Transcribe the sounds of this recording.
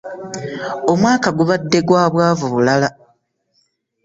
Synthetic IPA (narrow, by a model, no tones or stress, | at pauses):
o̞mwaːkaɡuβadːe̞ɡwaːβwaːvuβulala